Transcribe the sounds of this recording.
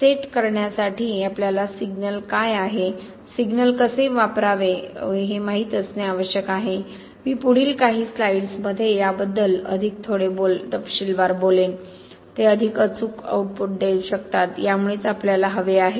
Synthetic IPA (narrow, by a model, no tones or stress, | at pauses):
seʈkəɾɳjasaʈʰiːapljalasiɡnəlkajaɦe | siɡnəlkəseʋapɾaʋeɦemaɦiːt̪əsneaʋəɕjəkaɦe | miːpuɽ̤iːlkaɦiːslaiɽsməd̪ʱːjejabəd̪ːələ̰d̪ʱik̚t̪ʰoɽebolt̪əpɕilʋaɾbolen | t̪eəd̪ʱikət͡suːka̰uʈ̚puʈ̚d̪ewɕəkt̪at̪jamuɭeːt͡sapljalaɦəʋeaɦe